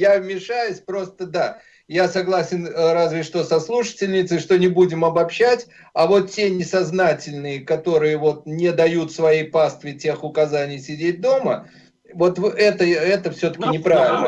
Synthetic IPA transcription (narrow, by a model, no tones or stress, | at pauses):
javmʲɪʂajʊsʲpɾo̞st̪əd̪a | jasɐɡlˠasʲɪnɾazvʲɪʂt̪o̞sɐslˠuʂə̥tʲɪlʲnʲɪt̪sɨʂt̪o̞nʲɪbudʲɪmɐbɐpɕːætʲ | ɐvo̞t̪tʲenʲɪsɐznatʲɪlʲnɨjəkɐt̪o̞ɾɨjəvo̞t̪̚nʲɪd̪ɐjut̪svɐjejpast̪vʲɪtʲe̞xʊkɐzanʲɪjsʲɪdʲet̚ʲd̪o̞mə | vo̞t̪vɨʔɛt̪əɛt̪əfsʲɵt̪ə̥kʲɪnʲɪpɾavʲɪlʲnə